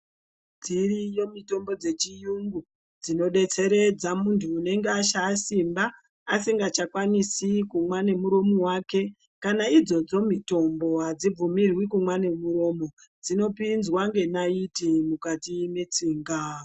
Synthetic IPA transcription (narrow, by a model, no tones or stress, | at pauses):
d͡zirijo̞mito̞mbo̞d͡ze̞t͡ʃijuŋɡu | d͡zino̞ɗe̞t͡se̞ɾe̞d͡zamuntʰuːne̞ŋɡeaʃaːsimbaː | siŋɡat͡ʃakwanisikumwane̞muɾo̞mowake̞ | kanaid͡zo̞d͡zo̞mito̞mbo̞ɦad͡zib͡vumirwikumwane̞muɾo̞mo̞ | d͡zino̞pinzwaŋɡe̞naitimukatimet͡siːŋɡa